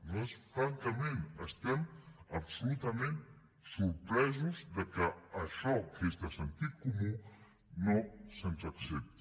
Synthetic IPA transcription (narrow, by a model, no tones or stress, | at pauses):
noesfɾaŋkamẽnast̪emabsulut̪amẽnt̪ | suɾpɾes̬ozd̪ekaaʃokʰest̪asant̪ikumu | nosant͡ʃaksep̚t̪